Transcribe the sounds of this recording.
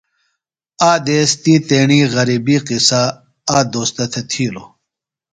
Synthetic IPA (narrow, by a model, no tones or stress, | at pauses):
aːd̪eːst̪iːt̪eːɳiːʁɐɾiːbiːqisa | aːd̪oːst̪ɐt̪ʰet̪ʰiːlo